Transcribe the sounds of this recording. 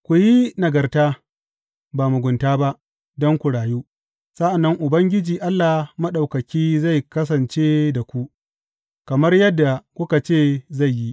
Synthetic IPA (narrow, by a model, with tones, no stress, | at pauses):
kʷʊ˨ji˦nɐ˨ɡɐ˨rtaː˦ | baː˨mʊ˨ɡʷʊ˨ntaː˦ba˦ʔ | dɔ˦ŋkʷu˨ɽaː˨juː˦ | sa˦ʔa˨nːɐ˦ŋʔʊ˨bɐ˦ŋɡʲɪ˦d͡ʒiː˨ʔa˦lːaː˨mɐ˦ɗa˨wkɐ˨kʲiː˦za˦˨jkɐ˦s̬ɐ˨nt͡ʃeː˦da˨kʷu˦ | kɐ˨mɐ˦rjɐ˦dːa˨kʷʊ˦ka˨t͡ʃeː˦˨za˦˨jːi˦ʔ